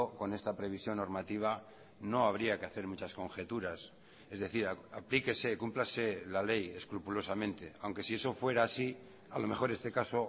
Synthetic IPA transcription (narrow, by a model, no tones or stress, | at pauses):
oko̞ne̞st̪apɾe̞β̞isjo̞nːo̞ɾmat̪iβ̞a | no̞aβ̞ɾiakeaθe̞ɾmut͡ʃasko̞ŋxe̞t̪uɾas | e̞zðe̞θiɾaaplike̞se̞kumplaselale̞je̞skɾupulo̞samẽ̞nt̪e̞awŋke̞sie̞so̞fwe̞ɾaːsi | alo̞me̞xo̞ɾe̞st̪e̞kaso̞